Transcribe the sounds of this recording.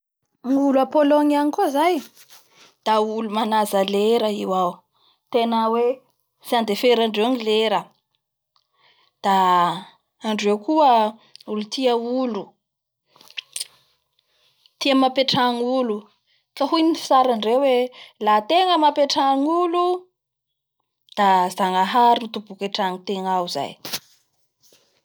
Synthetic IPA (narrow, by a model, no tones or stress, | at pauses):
ŋuluapoloŋianikoizaj | d̪̥aulumanazəleɾəiwaw | t̪enawe | sand̪efeɾaɳɖ͡ʐewŋileɾə | d̪̥aː | ɳɖ͡ʐewkuəulut̪iəulu | t̪iəmapeʈ͡ʂaŋulu | kaɦujnifi̥saɾaɳɖ͡ʐewelaːt̪eŋəmapeʈ͡ʂaŋulu | d̪̥azaŋaɦaɾinit̪ubukeʈ͡ʂaŋit̪eŋawza̰j